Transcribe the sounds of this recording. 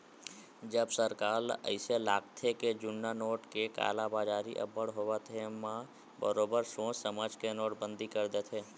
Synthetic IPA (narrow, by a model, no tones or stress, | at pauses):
d͡ʒəbsəɾkaːlə̰ɪselaːk̚t̪ʰeked͡ʒʊnːanoːʈkeka̰ːlabaːd͡ʒaːɾiʔə̰bəɽɦoʋat̪ʰemã | bəɾoːbəɾsõːt͡ʃsəmad͡ʒkenoːʈbə̃nd̪ikəɾd̪et̪ʰeː